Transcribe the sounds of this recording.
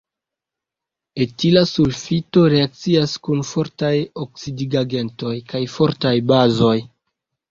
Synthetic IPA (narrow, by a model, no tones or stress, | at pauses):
etilasulfito̞ɾe̞ak̚t͡siaskunfo̞ɾtajok̚sidiɡaɡe̞nto̞jkajfo̞ɾtajbazo̞j